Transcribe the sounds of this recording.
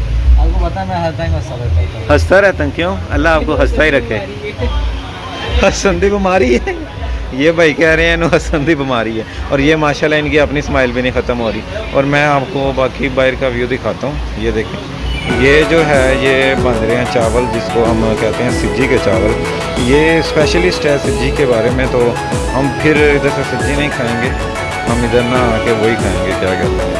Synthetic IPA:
alkopət̪amɛ̃ɦəst̪ãɦəst̪aɾɛahəst̪aːɾɛːt̪ə̃kjõːəlːaːaːp̚koːɦəst̪aːiːɾəkʰːeː | həsənd̪iːbɪmaːɾiɛː | jeːbaːikɛːɾəɦɛ̃ːɪnũːɦəsənd̪iːbɪmaːɾiːɛːɔːɾjeːmaːʃaːlːaːɪnkiːəpniːsmaːɪlbʱiːnəĩːxʰət̪əmɦoːɾiːɔːɾmɛ̃ːaːpkoːbaːkiːbaːɪɾkaːʋjuːd̪ɪkʰaːt̪aːɦũːjeːd̪eːkʰẽː | jeːd͡ʒoːɦɛːjeːbə̃nd̪ɾeãːt͡ʃaːʋəld͡ʒɪskoɦəmkɛɦt̪eɦɛ̃ːsɪd͡ʒiket͡ʃaːʋəl | jeːspɛːʃəlɪsʈɛːsɪd͡ʒikebaːɾeːmẽt̪o | ɦəmpʰɪɾɪd̪əɾsesɪd͡ʒinɐɦĩːkʰaːẽːŋɡeː | ɦəmɪd̪əɾnaaːkeʋoːikʰaːḛ̃ːŋɡeːkjaːkɛːt̪eɦɛ̰̃ː

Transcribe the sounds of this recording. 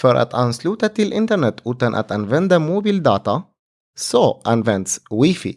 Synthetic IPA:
fœɾʔa̰t̪ʰanslʉːt̪at̪ʰɪlʔɪnt̪əɳɛt̪ʰːʉ̟ːt̪anʔa̰t̪anvɛnd̪amʊbiːld̪ɑːt̪a | sɔʔanːvɛnd̪swɪfḭ

